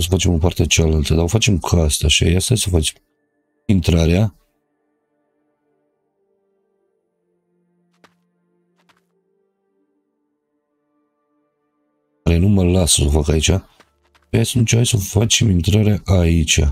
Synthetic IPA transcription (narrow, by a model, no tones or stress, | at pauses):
s̬əfat͡ʃe̞mopart̪et͡ʃaalalt̪əd̪aofat͡ʃe̞mkʰast̪aʃia̰jast̪asəfat͡ʃe | int̪ɾaɾea | aɾenuməlasəsofakait͡ʃʲa | ast͡ʃeajsəfat͡ʃemint̪ɾaɾaʔait͡ʃa̰